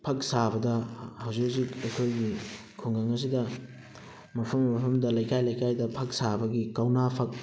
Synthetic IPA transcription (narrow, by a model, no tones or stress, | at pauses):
pʰɐk̚sabɐdɐhɐwzik̚sikekʰojɡi | kʰuŋɡɐŋɐs̬idɐ | mɐpʰɐmːɐpʰɐmdɐlɐjkajlɐjkajdɐpʰɐk̚sabɐɡikawnapʰɐk̚